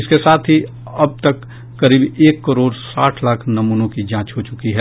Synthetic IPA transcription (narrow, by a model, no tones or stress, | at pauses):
ɪskesaːt̪ʰɦi | ɐb̚t̪əkː | ɐɾiːbeːkːəɾoːɾsaːʈʰlaːkʰnɐmuːnõkid͡ʒãːt͡ʃɦot͡ʃʊkiɦɛ